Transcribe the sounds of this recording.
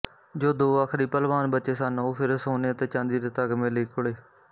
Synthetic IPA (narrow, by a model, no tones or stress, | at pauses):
d͡ʒoːd̪oːaːkʰɾiːpəlʋaːnbətːt͡ʃeːsanoːpʰɪɾsoːneːt̪eːt͡ʃãːnd̪iːɾɪt̪əɡmẽːləiːkʰʊɽeː